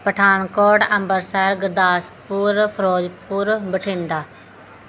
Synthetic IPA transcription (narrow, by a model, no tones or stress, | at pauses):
pəʈʰaːɳkoːɖəmbəɾsaːɾɡəɾd̪aːspuɾpʰəɾoːd͡ʒpuːɾbəʈʰiːnd̪aː